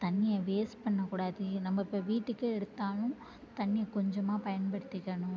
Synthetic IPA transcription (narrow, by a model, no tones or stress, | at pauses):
t̪ɐnːɪjɐʋeːspɐɳːɐkuːɽaːðɯnɐmːɐɪpːoʋiːʈːɯkːɯɛɽɯt̪ːaːlʊ̃ | t̪ɐnːɪjɐkɔɲd͡ʒɐmaːpɐjɐnpɐɽɯt̪ːɯkːɐɳʊ̃